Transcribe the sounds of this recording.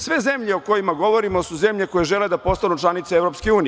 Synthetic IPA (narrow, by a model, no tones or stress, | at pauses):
sʋe̞zemʎeoko̞jimaɡo̞ʋoɾimo̞suze̞mʎe̞ko̞jeʒeled̪apo̞st̪anut͡ʃlˠanit̪seeʋɾopskeuːni